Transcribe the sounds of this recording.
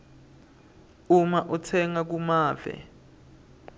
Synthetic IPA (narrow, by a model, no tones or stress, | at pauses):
umaʔɔtʰɛŋak̬umaːvɛ̰